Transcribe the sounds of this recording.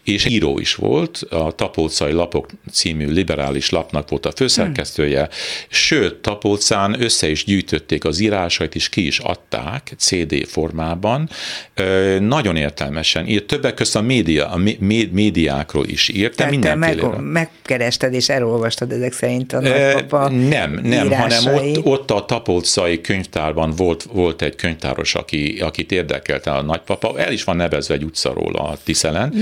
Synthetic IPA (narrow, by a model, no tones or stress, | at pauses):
eːʃiːɾo̰ːḭʃʋo̞̰lt̪ʰɒt̪ɒpoːt̪sɒjilɒpo̞kt̪siːmyːlibɛɾa̰ːliʃlɒpnɒkʋo̞lt̪ɒføːsɛrkɛst̪øːjɛʃøːt̪ːɒpoːt̪saːnø̞sːɛiʒɟyːjt̪ʰø̞t̪ːeːkɒziːɾaːʃɒjit̪eːʃkiiʃɒ̰t̪ːa̰ːkt̪seːd̪ḛːfo̞rmaːbɒnː | nɒɟo̞neːrt̪ɛlmɛʃɛnit̪ːøbːɛkːøst̪ɒmeːd̪imemeːd̪ija̰ːkro̰ːlʔḭʃirt̪ɛmind̪ɛmmɛeːlmɛkkɛɾɛʃt̪ɛd̪eːʃɛɾo̞lvɒʃt̪ɒd̪ɛzɛksɛɾint̪ɒnpɒnɛmnɛmɾaːɦɒnɛmot̪ːo̞t̪ːɒt̪ɒpoːt̪sɒjikøɲft̪aːrbɒnvo̞lt̪vo̞lt̪ɛɟkøɲft̪a̰ːɾo̞̰ʃɒ̰kiɒkit̪eːrd̪ɛ̰kɛ̰lt̪ɛlɒnɒcpɒpɒʔɛ̰liʃʋɒnːɛvɛzʋɛɛɟut̪sɒ̰ɾo̰ːlɒ̰t̪isɛlɛn